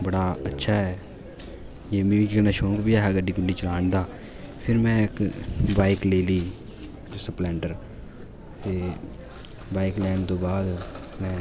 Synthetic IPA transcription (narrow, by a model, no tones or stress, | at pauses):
bəɽaːətːʃʰaːɦɛː | d͡ʒeːmĩːĩːkɪknaːʃõːkbiːaːɦɛːɡəɖiːkʊɳɖiːt͡ʃəlaːɳd̪aː | pʰɪɾmɛ̃ːɪkbaːikleːliː | d͡ʒosəplɛːɳʈəɾ | t̪eː | baːiklɛːɳt̪õːbaːd̪mɛ̃ː